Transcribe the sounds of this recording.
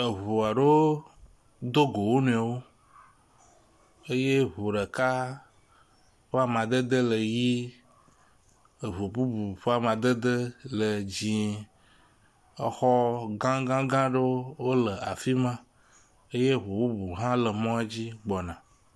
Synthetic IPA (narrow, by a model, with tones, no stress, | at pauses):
e˨ɦu˨a˨ɖe˦wo˦ | d̪o˦ɡo˨wo˦nũ˨a˨wo˦ | e˦je˦ɦu˨ɖə˨ka˦ | ɸə˦a˦mã˨d̪ə˦d̪ə˦lə˨ji˦ | e˨βu˨bu˦bu˨ɸə˦a˦˨mã˨d̪ə˦d̪ə˦lə˨d͡ʑĩ˨ | e˨xɔ˦ɡã˦ɡã˦ɡã˦ɖe˦wo˦lə˨ʔa˨fi˦mã˦ | e˦je˦˨ɦu˨bu˦bu˨ɦã˦lə˨mɔ̃˦a˦d͡ʑi˦ɡ͡bɔ˨nã˨